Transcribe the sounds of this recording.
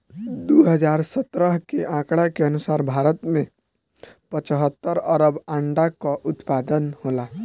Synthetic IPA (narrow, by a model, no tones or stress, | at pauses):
d̪uɦəd͡ʒaɾsət̪ɾəɦkeʔãkɽakeənusaɾbʱaɾət̪mẽ | pət͡ʃəɦət̪ːəɾəɾəbãɳɖakɔʔut̪pad̪ənhola